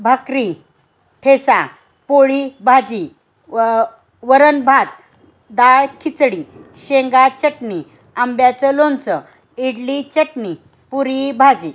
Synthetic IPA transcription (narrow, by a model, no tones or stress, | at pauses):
bʱəkɾi | ʈ̪ʰesa | poɭibʱad͡ʑi | ʋəɾənbʱat̪̚ | d̪aɭkʰit͡sɽiɕeŋɡat͡ɕəʈni | ambjat͡səlont͡sə | iɽlit͡ɕəʈni | puɾibʱad͡ʑi